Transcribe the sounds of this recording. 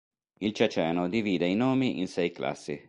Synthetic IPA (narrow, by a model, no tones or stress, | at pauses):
ilt͡ʃat͡ʃɛːnod̪iviːd̪einoːmiʔinsɛjkla̰sːḭ